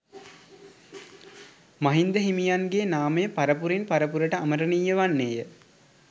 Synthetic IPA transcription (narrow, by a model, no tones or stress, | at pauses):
maɦind̪əɦimijanɡeːnaːmejpaɾəpuɾinpaɾəpuɾəʈəaməɾənijːəʋanːeːjə